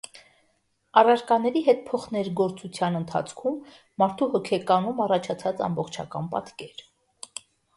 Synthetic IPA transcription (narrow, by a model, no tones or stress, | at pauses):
ɑrɑɾkɑnɛɾiɦɛt̪̚pʰɔχnɛɾɡɔɾt͡sut͡sʰjɑnənt̪ʰɑ̰t͡sʰkʰumː | ɑɾt̪ʰuhɔkʰɛkɑnumɑrɑt͡ʃʰɑt͡sʰɑt͡sɑ̰mbɔχt͡ʃʰɑ̰kɑ̰npɑ̰t̪kɛɾ